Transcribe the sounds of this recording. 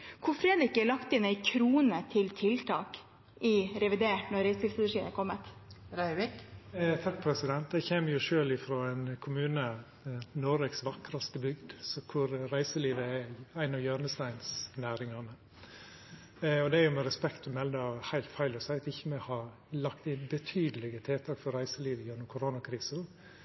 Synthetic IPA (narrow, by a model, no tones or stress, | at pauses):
kʰʊɾfɾeːd̪ɾɪkɛɭɑkt̪ɪnæɪkʰɾuːnət̪ʰɪlt̪ʰɪlt̪ʰɑ̰ːk | ʔɪɾɛʋɪd̪eːʈnɔɾɾæɪskɪːfsd̪ʂiːnəkʰɔmːət̪ɾæɪʋɪkt̪ʰɑk̚pʰɾɛsɪd̪ɛnt̪̚d̪ɛçeːməjʊʂøːlɪfɾoːɛnkʰʊmʉːnə | nɔɾɛksʋɑkɾɑst̪əbʏɡd̪sɔkʰʊɾɾæɪsəliːʋəɛæɪnɑjøːɾnəst̪æɪnsnæːɾɪŋɑnə | ɔd̪ɛjʊmɛɾɛspɛkt̪ɔmɛld̪ɑhæɪlt̪fæɪlɔsæɪt̪ɪçːəmɛhɑ | lɑkt̪ɪnbət̪ʰyːd̪əlɪɡət̪ʰɛːt̪ʰɑːkfɔɾæɪsəliːʋəjɛnːʊmkʰʊɾoːnɑkʰɾiːs